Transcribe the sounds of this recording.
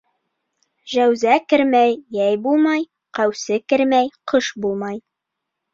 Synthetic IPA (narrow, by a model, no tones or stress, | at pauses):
ʒæwzækɘ̆ɾmæjːæjbulˠmɑj | qæwsɘkɘ̆ɾmæjqɤʃbulˠmɑj